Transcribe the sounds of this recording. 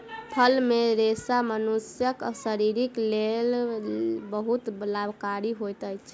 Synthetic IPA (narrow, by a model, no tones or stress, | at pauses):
pʰəlmeɾesamənusjəksəɾiɾiklel | bəɦut̪blabʱkaɾiɦojt̪əjt͡ʃʰ